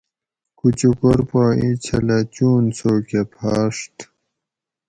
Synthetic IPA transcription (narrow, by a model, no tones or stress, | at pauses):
kut͡ɕukoɾpaːit͡ɕʰɐlat͡ɕuːnsoːkepʰaːʂt̪